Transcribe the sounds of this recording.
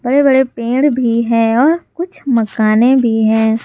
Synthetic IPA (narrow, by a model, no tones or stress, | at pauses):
bɐɽebɐɽepẽːɽbʱiɦɛ̃ːɔːɾkʊt͡ʃʰmɐkaːnebʱiɦɛ̃ː